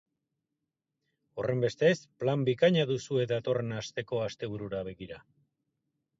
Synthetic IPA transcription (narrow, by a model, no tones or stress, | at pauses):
o̞re̞mbe̞st̪e̞splambikaɲaðusue̞d̪at̪o̞re̞nast̪e̞ko̞ast̪e̞β̞uɾuɾaβe̞ɣiɾa